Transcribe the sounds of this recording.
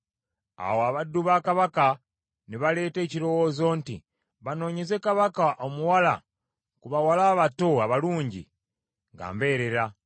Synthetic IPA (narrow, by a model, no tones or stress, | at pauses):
a̰woaβadːuβakaβaka | niβale̞ːte̞ːciɾo̞wo̞ːzo̞ntḭ | βano̞ːɲeze̞kaβakaʔo̞muwala̰ | kuβawalaːβato̞aβaluːɲɟḭ | ŋɡa̰ːmbe̞ːɾe̞ɾa